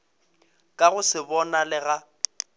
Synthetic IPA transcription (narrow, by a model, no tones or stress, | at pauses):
kʼaɣʊsɪbɔnalɪɣa